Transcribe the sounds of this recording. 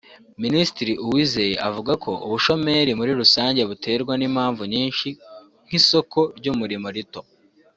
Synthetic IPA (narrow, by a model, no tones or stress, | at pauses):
minisi̥tiɾiʔuwiːzejeʔavuɡakʰo̞ʔuβuʃo̞me̞ɾimuɾiɾusaːɲɟe̞βutʰe̞ːɾɡwaniːmhaːɱvuɲiːnʃi | ŋ̥hiso̞kʰo̞ɾɟumuɾimo̞ɾito̞